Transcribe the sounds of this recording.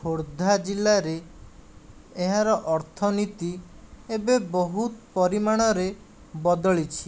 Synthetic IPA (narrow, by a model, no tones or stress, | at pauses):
oɾd̪ʱad͡ʒilːaɾe | ɦaɾɔʔɔɾt̪ʰɔnit̪i | ebebɔɦut̪pɔɾimaɽ̃ɔɾe | bɔd̪ɔɭit͡ʃʰi